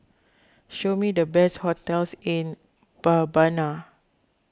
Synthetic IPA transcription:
ʃomidəbɛshɔtɛlsĩn | b̥abana

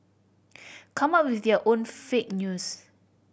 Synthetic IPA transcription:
kʰãmap̚wiθəʔõnfek̚njus

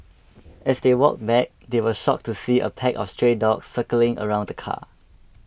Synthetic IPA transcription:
ʔɛsdewɔ̰k̚bɛk̚dewəʃɔk̚tusiʔə̰pʰɛkɔ̰fstɹedɔksːəkəlɪ̃ŋə̰ɹãʊ̃ndəkʰa̰

